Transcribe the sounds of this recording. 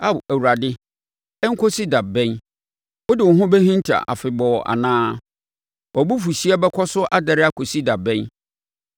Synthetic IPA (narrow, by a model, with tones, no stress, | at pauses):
a˦˨bæ˨wu˨ɾa˨dɪ˦ | ɛ˦ŋ̩˦kʰɔ˦si˦da˨bɛ̃˦n | ʊ˦dɪ˨wʊ˨ɦʊ̃˦bɛ˦hĩ˦n˦tʰa̰˨ʔa̰˨fɪ˨bɔː˨ʔa̰˨nãː˦ | ɔ˨bu˦fu˨si˦a˦bɛ˦kʰɔ˦sʊ˦ʔa˦dɛ˨ɾɪ˦a˦˨kʰo˨si˦da˨bɛ̃˦n